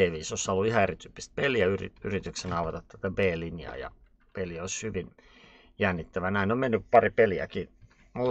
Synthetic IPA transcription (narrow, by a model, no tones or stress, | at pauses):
eːʋiːsosːɑlːuihɑerit̪yːpːi̥st̪̚peliæyrḭyrit̪yksenɑˑuʋɑt̪ɑt̪t̪æt̪æbeːlinjɑ̰jɑ̰ | peliæoˑishyʋin | jænːit̪ːæʋænæˑinommenːypɑripeliæ̰ki | mu